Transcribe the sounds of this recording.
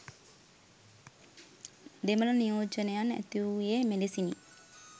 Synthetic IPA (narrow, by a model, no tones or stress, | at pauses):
d̪eməlanijoːd͡ʒənejanæ̰t̪iujemelesini